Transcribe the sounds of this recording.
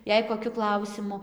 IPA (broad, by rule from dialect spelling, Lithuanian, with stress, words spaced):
ˈjɛɪ koːˈkʲʊ ˈklˠɐʊsʲɪmʊ